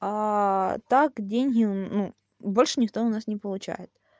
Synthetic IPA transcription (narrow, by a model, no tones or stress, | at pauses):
at̪akdʲenʲɦʲɪnu | bo̞lʲʂɨnʲɪkt̪oʊnasnʲɪpəlˠʊt͡ɕæ̰jɪt̪̚